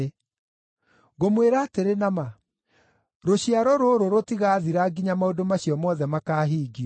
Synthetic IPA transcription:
ɣomweɾaːteɾenama | ɾoɕiaɾɔɾoːɾoɾotiɣaːðiɾaɡiɲamaodomaɕiɔmɔðɛmakaːɦiːɡiɔ

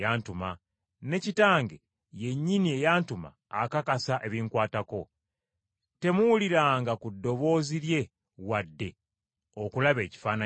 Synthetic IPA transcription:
jaːntuma | ne̞citaːŋɡe | je̞ɲːinie̞jaːntuma̰ːkakasaʔe̞βiːŋkwaːtako̞ | te̞muwuliɾaːŋɡakudːo̞βo̞ːziɾje̞ | wadːe̞ | o̞kulaβe̞ːci̥faːna

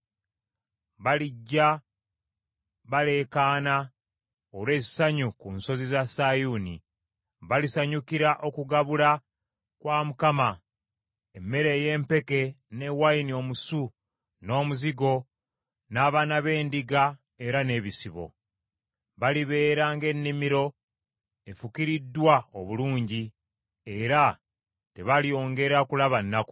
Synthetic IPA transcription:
βaliɟːa | βale̞kaːna | olwe̞ːzi̥saɲukunso̞zizasajunḭ | βalisaɲukiɾaʔo̞kuɡaβula | kwaːmukama | emːe̞ɾe̞ːje̞ːmpe̞ke̞ | ne̞wainio̞ːmusu | no̞ːmuziɡo̞ | naːβanaβe̞ːndiɡa | e̞ɾane̞ːβisiβo̞̰ | βaliβe̞ːɾaːŋɡe̞nːimiɾo̞ | e̞fukiɾidːwaoβuluːɲɟi | e̞ɾa | te̞βalijo̞ːŋɡe̞ɾakulaβanːaku̥

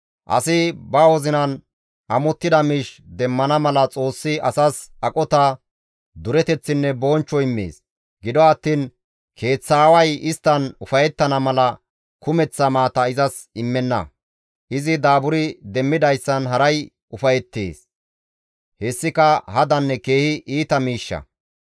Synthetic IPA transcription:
ʔɐ̰sɪbɐwɔzɪnɐn | ʔɐmɔt̪ːɪd̪ɐmɪʃd̪ɛmːɐnɐmɐlɐt͡sʼo̞ːsːɪʔɐsɐsɐkʼɔt̪ɐ | d̪ʊɾɛt̪ɛt͡sːɪnːɛboːnt͡ʃːɔɪmːḛːs | ɡɪd̪ɔɐt̪ːiːn | kʰe̞ːt͡sːaːwɐjɪst̪ːɐnʊfɐjɛt̪ːɐnɐmɐlɐ | kʊmɛt͡sːɐmaːt̪ɐɪzɐs | ɪmːɛnːɐ̰ | ʔɪzɪd̪aːbʊɾɪd̪ɛmːɪd̪ɐjsːɐnɦɐɾɐj | ʊfɐjɛt̪ːḛːs | hɛsːɪkɐhɐd̪ɐnːɛke̞ːhɪʔiːt̪ɐmiːʃːɐ̰

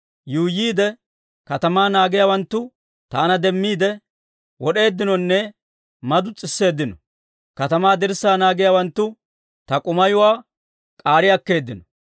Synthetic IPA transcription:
juːjiːd̪ɛ | kɐt̪ɐmaːnaːɡɪjaːwɐnt̪ːʊ | t̪aːnɐd̪ɛmːiːd̪ɛ | wɔɗe̞ːd̪ːɪnɔnːɛ | mɐd̪ʊt͡sʼɪsːe̞ːd̪ːɪnɔ | kɐt̪ɐmaːd̪ɪɾsːaːnaːɡɪjaːwɐnt̪ːʊ | t̪ɐkʼʊmɐjʊwaː | kʼaːɾɪjɐkːe̞ːd̪ːɪnɔ

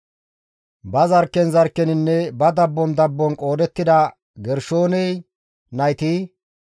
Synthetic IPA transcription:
bɐzɐɾkːɛnzɐɾkːɛnɪnːɛbɐd̪ɐbːɔnd̪ɐbːɔnkʼo̞ːd̪ɛt̪ːɪd̪ɐ | ɡɛɾʃo̞ːnɛj | nɐjt̪i

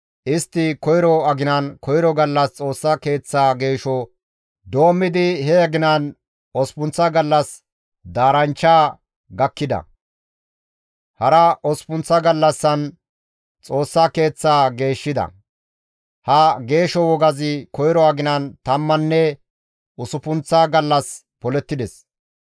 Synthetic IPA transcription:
ʔɪst̪ːɪkɔjɾɔɐɡɪnɐnkɔjɾɔɡɐlːɐst͡sʼo̞ːsːɐke̞ːt͡sːaːɡe̞ːʃɔ | d̪o̞ːmːɪd̪ɪhɛɐɡɪnɐn | ɔspʊnt͡sːɐɡɐlːɐs | d̪aːɾɐnt͡ʃːaː | ɡɐkːɪd̪ɐ̰ | hɐɾɐʔɔspʊnt͡sːɐɡɐlːɐsːɐn | t͡sʼo̞ːsːake̞ːt͡sːaːɡe̞ːʃːɪd̪ɐ̰ | hɐɡe̞ːʃɔwɔɡɐzɪkɔjɪɾɔaɡɪnɐnt̪ɐmːɐnːɛ | ʊsʊpʊnt͡sːaːɡɐlːɐs | pɔlɛt̪ːɪd̪ɛs

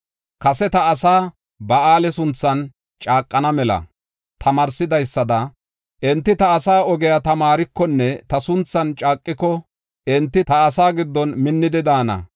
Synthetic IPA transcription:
kɐsɛt̪ɐːsaː | bɐaːlɛsʊnt͡sːɐn | t͡ʃʼaːkʼːɐnɐmɛlɐ̰ | t̪ʰɐmɐːɾsɪd̪ɐjsːɐd̪ɐ | ʔɛnt̪ːɪt̪ɐːsaːɔɡɛjat̪ɐmaːɾɪkːɔnːɛt̪ɐsʊnt͡sːɐnt͡ʃʼaːkʼːɪkɔ | ʔɛnt̪ːɪt̪ɐːsaːɡɪd̪ːɔnmɪnːɪd̪ɪd̪aːnɐ̰

